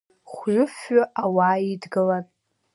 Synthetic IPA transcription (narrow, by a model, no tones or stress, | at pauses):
χʷɥʊfɥʊʔawaːidɡɨlan